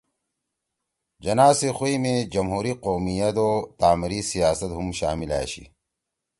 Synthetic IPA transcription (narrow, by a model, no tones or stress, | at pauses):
d͡ʑɐnaːsexuimẽd͡ʑɐmɦuːɾiqoːmijɐt̪ot̪aːmiɾisijaːsɐt̪ɦumɕa̰ːmila̰ːɕḭ